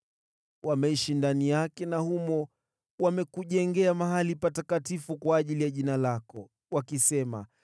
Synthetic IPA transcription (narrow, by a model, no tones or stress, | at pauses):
wamɛiʃindanijakɛnahumɔ | wamɛkuʄɛŋɡɛamaɦalipatakatifukwaːʄilijaʄinalakɔ | wakisɛma